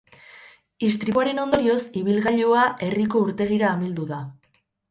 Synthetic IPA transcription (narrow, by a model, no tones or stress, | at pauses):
ist̪ɾiaɾe̞no̞nd̪o̞ɾio̞siβ̞ilɣaʎoaʔe̞riko̞uɾt̪e̞ɣ̞iɾaːmild̪uða